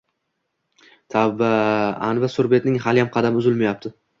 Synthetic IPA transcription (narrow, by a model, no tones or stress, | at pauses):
t̪ʰabaanvasʊɾbe̞t̪nɪŋhalɪjamqʰɑd̪amʊzɪlmajap̚t̪ʰɪ